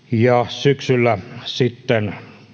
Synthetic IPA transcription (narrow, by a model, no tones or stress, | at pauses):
jɑsyksylːæsit̪ːen